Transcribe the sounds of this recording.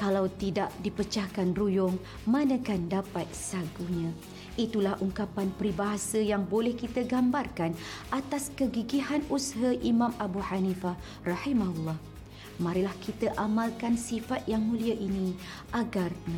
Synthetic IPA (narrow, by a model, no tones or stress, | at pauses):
kalawt̪idaʔdipət͡ʃahkanrujʊŋ | mãnə̃kandapat̪̚saɡuɲã | it̪ulahʔuŋkapanpɾibaɦasəjaŋbolɛhkit̪əɡambarkanʔat̪askəɡiɡiɦanusɦaʔimãmabuħanifa | rɑhimahulːɑh | mãɾilahkʰit̪əʔamãlkansifat̪̚jaŋmũliaʔinĩ | ʔaɡarm